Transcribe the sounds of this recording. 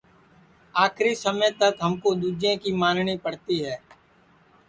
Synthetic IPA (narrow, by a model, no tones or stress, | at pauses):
aːkʰɾisəmə̃t̪əkɦəmkod̪uːd͡ʒẽːkiːmaːnɳiːpəɽt̪iɦɛː